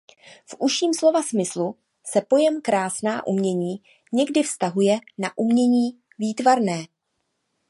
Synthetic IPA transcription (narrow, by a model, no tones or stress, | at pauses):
fʔuʃiːmslo̞vasmɪslu | sɛpo̞jɛmkɾaːsnaːʔumɲɛɲiː | ɲɛɡdɪfst̪aɦujɛnaʔumɲɛɲiː | viːt̪vaɾnɛː